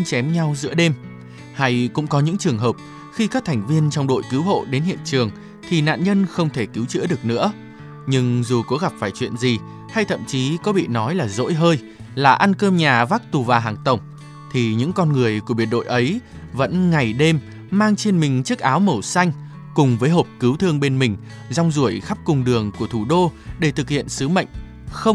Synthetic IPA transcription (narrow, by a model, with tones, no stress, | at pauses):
t͡ɕɛ˨˦mɲa˧wzɨ̰˧˥əɗe˧m | ha˧jkʊ̰˧˥ŋ͡mkɔ˨˦ɲɨ̰˧˥ŋt͡ɕɨ˨˩əŋɦəː˨˩p̚ | xi˧kaː˦˥k̚t̪ʰɛ˨˩ŋ̟vi˧ənt͡ɕɔ˧wŋ͡mɗo̰˧˨jki˨˦wɦo̰˧˨ɗe˨˦nhḭ˧˨ənt͡ɕɨ˨˩əŋ | t̪ʰi˨˩na̰ː˧˨nɲə˧nxə˧wŋ͡mt̪ʰe˧˩ki˨˦wt͡ɕɨ̰˧˥əɗɨ˨˩ək̚nɨ̰˧˥ə | ɲɨ˧ŋzu˨˩ko˨˦ɣa˨˩p̚faː˧˩jt͡ɕwḭ˧˨ənzi˨˩ | ha˧jt̪ʰə̰˧˨mt͡ɕi˨˦kɔ˨˦ɓḭ˧˨nɔ˨˦jlaː˨˩zo̰˧˥jɦəː˧j | laː˨˩ʔa˧nkəː˧mɲaː˨˩vaː˦˥k̚t̪u˨˩vaː˨˩ɦaː˨˩ŋt̪ə˨˩wŋ͡m | t̪ʰi˨˩ɲɨ̰˧˥ŋkɔ˧nŋɨ˨˩əjku˧˩əɓi˨˩ənɗo̰˧˨jʔə˨˦j | və̰˧˥nŋa˨˩jɗe˧mː | aː˧ŋt͡ɕe˧nmï˨˩ŋ̟t͡ɕɨ˦˥k̚ʔaː˨˦wmə˧˩wsa˧jŋ̟ | kʊ˨˩ŋ͡mvəː˨˦jɦo˨˩p̚kɨ˨˦wt̪ʰɨ˧əŋɓe˧nmï˨˩ŋ̟ | za˧wŋ͡mzu˧˩əjxa˦˥p̚kʊ˨˧˩ŋ͡mɗɨ˨˩əŋku˧˩ət̪ʰu˧˩ɗo˧ɗe˧˩t̪ʰɨ˨˩k̚hḭ˧˨ənsɨ˨˦mə̰˧˨jŋ̟ | xə˧wŋ͡m